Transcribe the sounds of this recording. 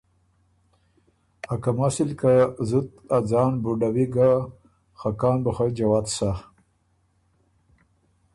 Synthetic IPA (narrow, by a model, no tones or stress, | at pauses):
akamasilkazut̪ad͡zɑːnbuɖawiɡa | xakɑːnbəxad͡ʒawaːt̪sa